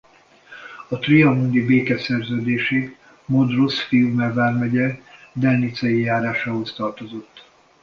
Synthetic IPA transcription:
ɒt̪riɒmund̪ibeːkɛsɛrzøːd̪eːʃeː | mod̪rosfijumɛvaːrmɛɟɛd̪ɛlnit̪sɛjijaːɾaːʃaːɦo̞st̪ɒrt̪o̞zo̞t̪ː

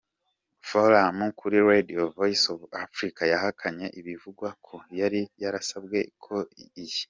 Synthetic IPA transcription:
foɾamukʰuɾiɾediovoisovafɾikajahakʰaɲe̞ʔiβivuɡwakʰojaɾijaɾasabɡe̞kʰo̞iji̥

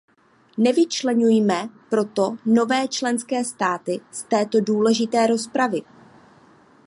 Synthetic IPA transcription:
nɛvɪt͡ʃlɛɲujmɛpɾo̞t̪o̞no̞vɛːt͡ʃlɛnskɛːst̪aːt̪ɪst̪ɛːt̪o̞duːlɛʒɪt̪ɛːɾo̞spɾavɪ

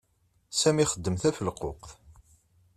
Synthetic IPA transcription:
sæmiχəd̪ːəmθæfəlqoqθ

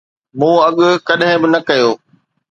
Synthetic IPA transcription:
mũːɐɠkɐɗɦɪ̃bɪnɐkɐjoː

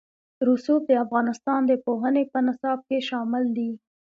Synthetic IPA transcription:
ɾusuf̚d̪əafɣɑnɪst̪ɑnd̪əpoɦənepənɪsɑb̚keʃɑmɪld̪i

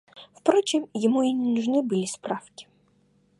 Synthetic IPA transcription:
wpɾɔt͡ʃɪmjɔmuinʲnʊʐnɪbɨlʲispɾɑwkʲi̥

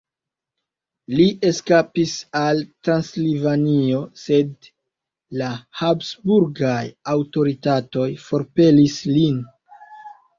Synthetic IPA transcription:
liʔe̞skapisaltɾanslivanio̞se̞d | lahabsbuɾɡajawto̞ɾitato̞jfo̞ɾpe̞lislin

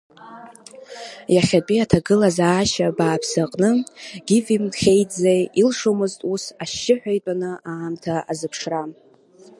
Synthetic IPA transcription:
jaχʲapʼiatʰaɡɨlazaːʃabaːpʰsaqʼnɨɡ̥ʲɪvimχʲejd͡zajilʂomɨztʼusaʃːɪħʷᶣajtʼanɨaːmtʰaazɨpʰʂram

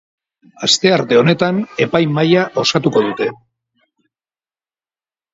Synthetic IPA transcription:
ast̪e̞aɾt̪e̞o̞ne̞t̪ane̞pajmajaʔo̞sat̪uko̞ðut̪e̞

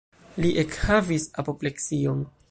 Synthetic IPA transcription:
liʔekhavisapo̞ple̞ksion

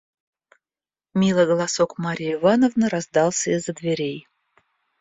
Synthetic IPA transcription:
mʲilˠəɡəlˠɑsokmaɾʲijivɑnovnəɾazd̪ɑlˠsʲəizəd̪vʲeɾʲej

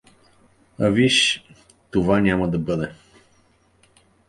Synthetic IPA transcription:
ɐviʃ | t̪ovanʲamɐd̪ɐbɤd̪ɛ

